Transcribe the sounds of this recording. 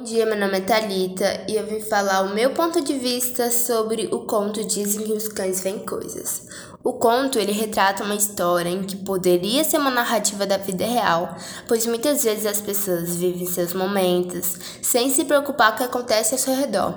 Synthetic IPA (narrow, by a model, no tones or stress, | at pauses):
ũd͡ʒiɐmenõmet̪aʎit̪ɐɪewvĩfalaɾʊmewpõnt̪ʊd͡ʒɪvist̪ɐsobɾɪʔʊkõnt̪ʊd͡ʒizẽj̃kɪʊskɐ̃j̃zvẽj̃ko̰jzɐ̰s | ʊkõnt̪ʊelɪɦet̪ɾat̪ɐũmɐist̪ɔɾʲɐẽkɪpod̪eɾiɐseɾũmɐnaɦat͡ʃivɐd̪ɐvid̪ɐɦeaw | pojzmũj̃t̪ɐzvezɪzɐspesoɐzvivẽj̃sewzmomẽnt̪ʊsː | ẽj̃sɪpɾeokupaɾkɪakõnt̪ɛsɪasewɦed̪ɔ̰ɾ